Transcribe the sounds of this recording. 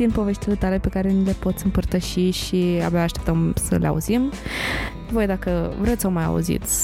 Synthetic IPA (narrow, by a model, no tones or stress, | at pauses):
d̪inpo̞ve̞ʃt̪ile̞t̪ale̞pe̞kaɾe̞nile̞po̞t̪sʲɨmpərt̪əʃiʃia̰bjaaʃt̪e̞pt̪əmsə̰lea̰ṵzim | vo̞jd̪akəvɾet̪ssəomaja̰ṵzḭt̪sʲ